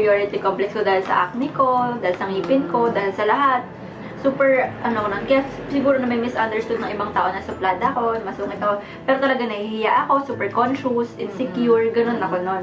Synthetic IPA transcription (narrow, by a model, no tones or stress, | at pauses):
joɹɪt̪ɪkomplɛksko̞d̪aːhɪlsɐ̰ʔa̰k̚nɪko̞d̪aːhɪlsɐŋiːpɪnko̞d̪aːhɪlsɐlɐɦat̪̚ | suːpɛɹʔɐnokononkɐja | sɪɡuːɾonɐmɐjmɪsʔɐnd̪ɛɹst̪ud̪nɐŋʔɪbaŋt̪a̰ʔo̞nɐsʊplaːd̪ɐɐko̞nɐmɐsuŋɪt̪ɐko | pɛːɾot̪ɐlɐɡaŋnɐhihɪjaʔɐko̞suːpɛɹkonʃʊsʔɪnsɛkjuɹɡɐno̞nɐko̞no̞n